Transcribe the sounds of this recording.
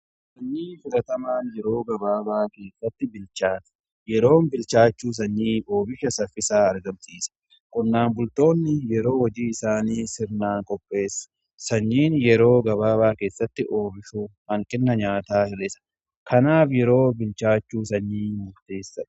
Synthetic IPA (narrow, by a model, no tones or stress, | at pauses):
sɐɲːiːfɪlɐt̪ɐmaːnjɛɾo̞ːɡɐbaːbaːke̞ːsːɐt̪ːɪbɪlt͡ʃaːt̪ɐ̥ | jɛɾo̞ːmbɪlt͡ʃaːt͡ʃːuːs̬ɐɲːiːʔo̞ːbɪʃɐsɐfɪsaːɐɾɡɐmsiːsɐ̥ | kʼʊnːaːnbʊlt̪o̞ːnːɪjɛɾo̞ːwɐd͡ʒiːɪsaːniːsɪɾnaːŋkʼɔpʼːe̞ːsːɐ̥ | sɐɲːiːnjɛɾo̞ːɡɐβaːbaːke̞ːsːɐt̪ːɪʔo̞ːbɪʃuːhɐŋkʼɪnːɐɲaːt̪aːhɪlɛsɐ̥ | kʰɐnaːfjɛɾo̞ːbɪlt͡ʃaːt͡ʃːuːsɐɲːiːmʊɾt̪eːsːɐᶑ